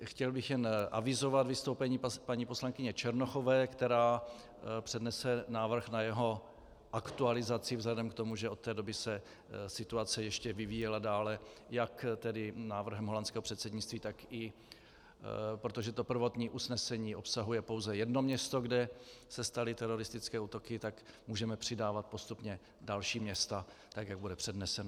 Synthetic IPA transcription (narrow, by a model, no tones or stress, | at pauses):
xcɛlbɪxjɛnʔa̰vɪzo̞vat̪vɪst̪owpɛɲiːpaɲiːposlaŋkɪɲɛt͡ʃɛɾnoxovɛːkt̪ɛɾaː | pr̥ɛdnɛsɛnaːvr̩xnajɛɦo̞ | ʔakt̪ualɪzat͡sɪvzlɛdɛmkt̪o̞muʒɛo̞t̪ːɛːdo̞bɪsɛ | sɪt̪uat͡sɛjɛʃcɛvɪviːjɛladaːlɛjakt̪ɛdɪnaːvr̩ɦɛmɦolant͡skɛːɦor̥ɛt̪sɛdɲɪt͡st̪viːt̪akɪ | pɾot̪oʒɛt̪o̞pr̩vo̞t̪ɲiːʔusnɛsɛɲiːʔo̞psaɦujɛpo̞wzɛjɛdno̞mɲɛst̪o̞ɡdɛsɛst̪alɪt̪ɛɾo̞ɾɪst̪ɪt͡skɛːuːt̪o̞kɪt̪akmuːʒɛmɛpr̝̥ɪdaːvat̪̚po̞st̪upɲɛ | dalʃiːmɲɛst̪at̪akjaɡ̚budɛpr̝̥ɛdnɛsɛn